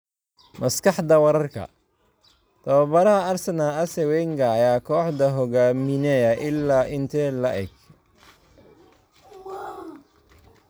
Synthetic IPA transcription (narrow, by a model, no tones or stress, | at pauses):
mɐskɑħd̪ɐwɐɾɐrkʰɐ̰ | t̪ʰɐβɐbɐɾɐhɐɐrsɐnaːɐsɛwɛŋɡaːjaːkʰɔːħd̪ɐɦɔɡaːmɪnɛːjɐʔɪlːaːʔɪnt̪ʰɛːlɐʔɛ̰ɡ̚